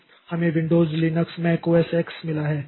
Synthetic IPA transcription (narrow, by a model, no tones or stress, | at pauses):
hɐmẽʋɪ̃ɳɖoːzlinəksmɛ̃ːkoɛseːksmɪlaɦɛː